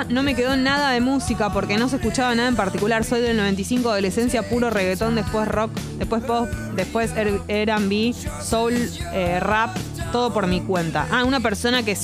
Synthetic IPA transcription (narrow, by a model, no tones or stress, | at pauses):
no̞me̞keð̞o̞nað̞aðe̞musikapo̞ɾke̞no̞s̬eskut͡ʃaβanaðaempaɾt̪ikulaɾso̞jðelno̞e̞nt̪isiŋkoað̞olese̞nsjapuɾoreɣet̪o̞nd̪e̞hpwe̞sro̞kd̪epwespod̪espwe̞seɾeɾambisowlerap̚ | t̪o̞ð̞o̞po̞ɾmikwe̞nt̪a̰ʔaunapeɾso̞nake